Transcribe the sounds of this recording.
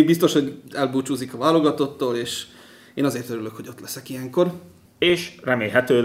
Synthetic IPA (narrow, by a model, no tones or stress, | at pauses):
bist̪o̞ʃho̞ɟɛlbuːt͡ʃuːzikɒvaːlo̞ɡɒt̪o̞t̪ːoːleːʃ | eːnɒzeːrt̪øɾyløkho̞ɟo̞t̪lɛsɛkijɛŋko̞r | eːʃrɛmeːlɦɛt̪øː